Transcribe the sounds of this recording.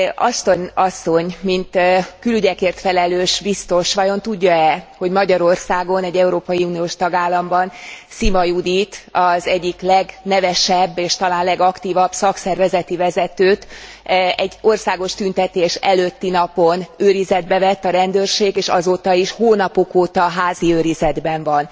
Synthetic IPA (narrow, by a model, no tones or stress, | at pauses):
ɒʃt̪oɲɒsːo̞ɲmint̪kylyɟɛkeːrt̪fɛlɛløːʃbist̪o̞ʃʋɒjo̞nt̪uɟːɒɛho̞ɟmɒɟɒɾo̞rsaːɡo̞nɛɟːɛuɾoːpɒjiuːnioːʃt̪ɒɡaːlːɒmbɒnsimɒjud̪it̪ɒzɛɟːiklɛɡnɛvɛʃɛbːeːʃt̪ɒlaːnlɛɡɒkt̪iːvɒbsɒksɛrvɛzɛt̪ivɛzɛt̪øːt̪ | ɛɟːo̞rsaːɡo̞ʃt̪ynt̪ɛt̪eːʃɛløt̪ːinɒpo̞nøːɾizɛd̪bɛvɛt̪ːɒɾɛnd̪øːrʃeːɡeːʃɒ̰zoːt̪ɒiʃhoːnɒpokoːt̪ɒɦaːziøːɾizɛd̪bɛɱvɒn